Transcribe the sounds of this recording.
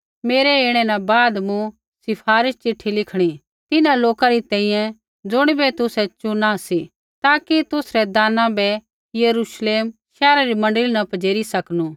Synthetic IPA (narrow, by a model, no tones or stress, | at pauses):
meːɾɛeːɽ̃ɛnabaːd̪mũ | sɪpʰaːɾɪst͡ʃɪʈʰːilɪkʰɽ̃i | t̪ɪnãloːkaɾit̪ɛ̃ːĩjɛ̃ | d͡zʊɽ̃ibɛt̪ʊsɛt͡ʃunãsi | t̪aːkit̪ʊsɾɛd̪aːnãbɛ | jɐɾuʃleːmʃɛːɾaɾimɐ̃ɳɖəlinɐpɐd͡ʒeːɾisɐknuː